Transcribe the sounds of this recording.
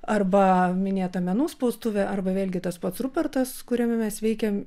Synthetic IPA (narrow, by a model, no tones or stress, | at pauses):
ɐrbɐmʲɪnʲeːt̪ɐmʲɛnuːspɒʊst̪ʊʋʲɛʔɐrbɐʋʲeːlʲɡʲɪt̪ɐspɐt̪srʊpʲɛrt̪ɐskʊɾʲɛmʲɪmʲɛsʋʲɛɪkʲɛm